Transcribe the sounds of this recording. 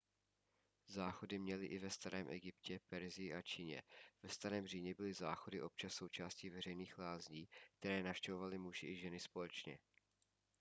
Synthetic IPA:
zaːxo̞dɪmɲɛlɪʔɪvɛst̪aɾɛːmʔɛɡɪpcɛpɛɾzɪjɪʔat͡ʃiːɲɛ̰v̥ɛst̪aɾɛːmr̝iːɲɛbɪlɪzaːxo̞dɪʔo̞p̚t͡ʃasːo̞wt͡ʃaːsciːvɛr̝ɛjniːxlaːzɲiːk̚t̪ɛɾɛːnafʃcɛvo̞valɪmuʒɪʔɪʒɛnɪspo̞lɛt͡ʃɲɛ̰

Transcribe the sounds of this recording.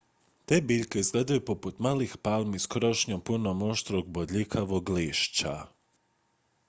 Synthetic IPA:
t̪eːbiːʎkeizɡleːd̪ajupoput̪maːlixpalˠmiskɾoʃɲompunomo̞ʃt̪ɾoɡ̚bod̪ʎikʰaʋoɡliːʃt͡ɕa̰

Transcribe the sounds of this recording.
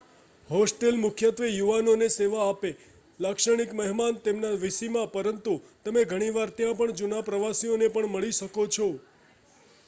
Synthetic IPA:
ɦosʈelmʊkʰjət̪ʋejuʋanoneseʋaːpe | lakʃəɽ̃ikməɦmant̪emnaʋisimãpəɾənt̪ut̪əmeɡʱəɽ̃iʋaɾt̪jãpəɳd͡ʒunapɾəʋasionepəɳməɭiʃəkot͡ʃʰo

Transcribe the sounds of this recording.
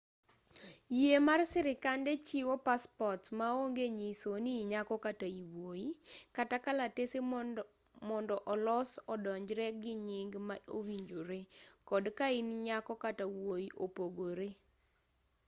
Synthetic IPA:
jemarsɪɾɪkandɛt͡ʃiwopaspɔtmaoŋɡeɲisoniɲakɔkataiwojikatakalatese | mɔndɔʔɔlɔsɔdɔɲd͡ʒɾɛɡɪɲɪŋɡmaowiɲd͡ʒoɾekɔdkainɲakɔkatawoiʔopoɡoɾe

